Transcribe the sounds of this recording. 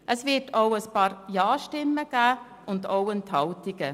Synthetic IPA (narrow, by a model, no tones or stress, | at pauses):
ʔəsvɪtʰoʊəspɑːɾjɑːʃtɪmːəɡ̥æː | ʊndoʊənt̪ʰɑwt̪ɪɡ̥ə